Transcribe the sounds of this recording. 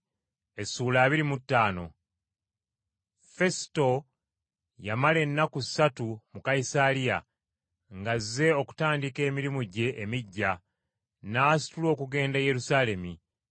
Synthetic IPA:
e̞sːuːlaːβiɾimutːaːno̞ | fe̞si̥to̞ | jamale̞nːaku̥satumukaisalija̰ | ŋɡazːe̞o̞ku̥taːndike̞ːmiɾimuɟe̞ʔːmiɟːa | naːsi̥tulo̞ːkuɡe̞ːndaje̞ɾusaːle̞mi

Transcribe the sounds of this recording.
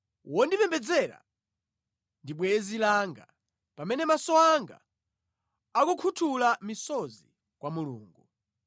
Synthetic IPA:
wɔndipɛmbɛd͡zɛɾa̰ | ndiɓwɛzilaŋɡa̰ | pamɛnɛmasɔaŋɡa̰ | akukʰutʰulamisɔzi | kwamulṵːŋɡu

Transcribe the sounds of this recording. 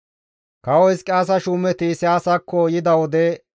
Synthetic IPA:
kɐwɔjskʼaːs̬ɐʃuːmɛt̪isɪaːsɐkʰːɔjɪd̪ɐwɔd̪ɛ

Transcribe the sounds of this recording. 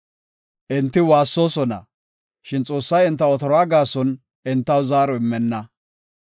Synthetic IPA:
ʔɪnt̪ːɪwaːsːo̞ːsɔnɐ̰ | ʃɪnt͡sʼo̞ːsːɐjɪnt̪ːɐɔt̪ɔɾɔaːɡaːsɔn | ʔɪnt̪ːɐwzaːɾɔɪmːɛnːɐ

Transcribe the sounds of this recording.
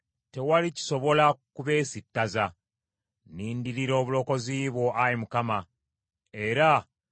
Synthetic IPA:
te̞walici̥so̞βo̞lakuβe̞ːsitːaza | niːndiɾiɾo̞ːβulo̞ːko̞ziβwo̞ʔajimukama | e̞ɾa

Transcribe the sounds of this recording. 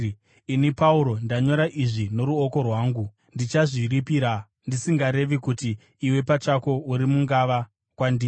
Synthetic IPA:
inipauɾo̞ndaɲo̞ɾaʔiʐino̞ɾuoko̞rwaːŋɡu | ndit͡ʃaʐiɾipiɾa | ndisiŋɡaɾe̞ʋikutiː | we̞pat͡ʃako̞uɾimuŋɡaʋa | kwandiː

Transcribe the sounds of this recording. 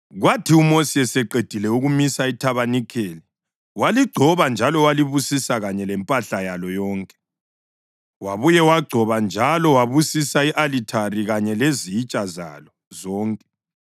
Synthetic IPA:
ɣwatʰiumosiɛsɛǃed̥ʱilɛuɣumisaitʰaβanikʰeːli | waliɡ͡ǀʱɔβand͡ʒʱalɔwaliβusisaɣaɲɛlɛmpʼaɬajalɔjɔːŋkʼɛ̥ | waβujɛwaɡ͡ǀʱɔβand͡ʒʱalɔwaβusisaiʔalitʰariɣaɲɛlezit͡ʃʼaza̰lɔ | zɔːŋkʼɛ̥

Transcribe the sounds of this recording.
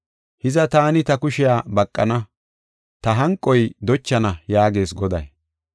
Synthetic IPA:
hɪzɐt̪aːnɪt̪ɐkʊʃɪjaːbɐkʼːɐnɐ | t̪ɐɦɐŋkʼːɔjd̪ɔt͡ʃːɐnɐjaːɡe̞ːsɡɔd̪ɐ̰j

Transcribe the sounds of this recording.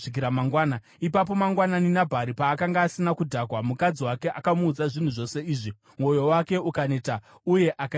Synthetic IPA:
ik̬iɾamaŋɡwaːna | ipap̬o̞maŋɡwananinabʱaɾipaːkaŋɡaːsinakudʱakwamukad͡ziwake̞ʔakamuːd͡zaʐin̤uʐo̞se̞iːʐi | mo̞jo̞wake̞ukane̞ta | uje̞ʔaka

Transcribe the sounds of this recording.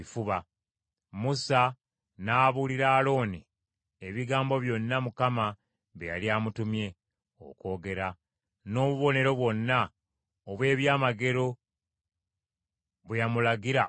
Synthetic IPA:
ifuβa | musa | naːβuliɾaːlo̞ːni | eβiɡaːmbo̞βjo̞nːamukama | βeja̰liaːmutumje̞ | o̰ko̞ːɡe̞ɾa | no̞ːβuβo̞ne̞ɾo̞βwo̞nːa | oβwe̞ːβjaːmaɡe̞ɾo̞ | βwejamulaɡiɾa

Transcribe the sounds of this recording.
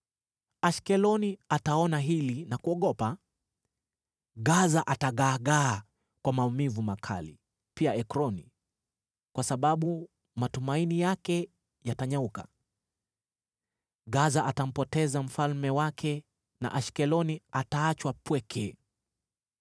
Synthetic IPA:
aʃkɛlɔniataɔnaɦilinakuɔɠɔpa | ɠazaʔataɠaːɠaː | kwamaumivumakʰa̰lḭ | piaɛkɾɔni | kwasaɓaɓu | matumainijakɛ | jataɲauka̰ | ɠazaʔatam̩pɔtɛzam̩falmɛwakʰɛ | na̰ʔaʃkɛlɔniataat͡ʃwapwɛkʰɛ

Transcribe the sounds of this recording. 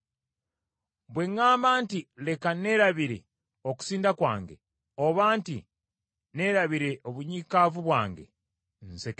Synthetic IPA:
bwe̞ŋːaːmbaːntile̞kane̞ɾaβiɾe̞̰ | oku̥siːndakwa̰ːŋɡe̞̰ | oβaːntḭ | ne̞ɾaβiɾe̞ʔoβuɲiːkavuβwaːŋɡḛ | nsek

